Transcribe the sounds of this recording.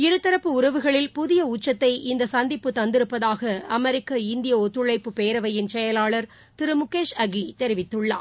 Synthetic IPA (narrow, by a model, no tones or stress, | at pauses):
ɪɾɯt̪ːɐɾɐpːɯʊɾɐʋɯɣɐɭɪlpʊðɪjɐuːt͡ʃːɐt̪ːɐɪʔɪnd̪ɐsɐnd̪ɪpːɯt̪ɐnd̪ɪɾɯpːɐðaːɣɐɐmɛɾɪkːɐɪnd̪ɪjɐɔt̪ːɯɭɐɪpːɯpeːɾɐʋɐjɪnt͡ʃɛjɐlaːɭɐɾ | t̪ɪɾɯmʊkːeːʂɐɣit̪ɛɾɪʋɪt̪ːɯɭːa̰ː